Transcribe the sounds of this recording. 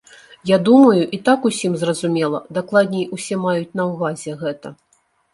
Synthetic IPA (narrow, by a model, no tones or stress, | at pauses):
jad̪umɐjuʔit̪akusʲimzrɐzumʲɛlˠɐd̪aklˠad̪ʲnʲɛjusʲɛmajut͡sʲnɐwvazʲɛɣɛt̪ɐ